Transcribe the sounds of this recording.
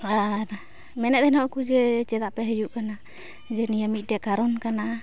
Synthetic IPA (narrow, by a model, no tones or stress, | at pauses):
aɾ | mɛnɛd̪ɛnɔʔkud͡ʒɛt͡ʃɛd̪aʔpɛɦəjuʔkana | d͡ʒɛnijamiˀdɛkaɾɔnkana